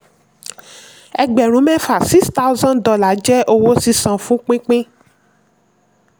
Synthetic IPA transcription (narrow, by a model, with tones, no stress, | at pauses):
ɛ˧ɡ͡bɛ˨ɾ̃ũ˨˦mɛ̃˦fa˨si˦ksta˦u˦zã˦ndɔ˧la˨˦d͡ʒɛ˦ʔo˧wo˦si˦˧sã˨˧fũ˨˦k͡pĩ˦k͡pĩ˦